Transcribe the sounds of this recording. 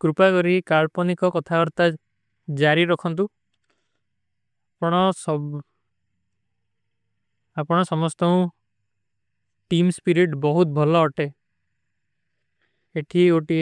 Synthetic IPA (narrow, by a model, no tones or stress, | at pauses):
kɾupakɔɾikaɭpɔnikɔkɔt̪ʰakɔɾt̪a | d͡ʒaɾiɾɔkʰɔnt̪̬u | apɔɽ̃ɔsɔ | apɔɽ̃ɔsɔmɔst̪ɔũ | ʈimspiɾiʈbɔɦut̪̚bʱɔlɔːʈe | eʈʰiɡoʈi